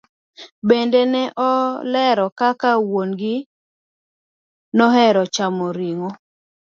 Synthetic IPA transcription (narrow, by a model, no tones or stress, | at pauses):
bendenɛʔɔlɛɾɔkakawonɡɪ | nɔɦɛɾɔt͡ʃamoɾiŋo